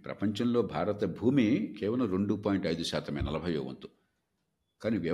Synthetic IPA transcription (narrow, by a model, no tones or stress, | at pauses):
pɾɐ̰pɐɲt͡ʃɐmloːbʱaːɾɐt̪ɐbʱuːmikeːʋɐlɐmɾeɳɖupaːjiɳʈɐjd̪uʃaːt̪ʰɐmeːnɐlɐbʱɐjoːʋɐ̰nt̪u | kaːniʋjɐ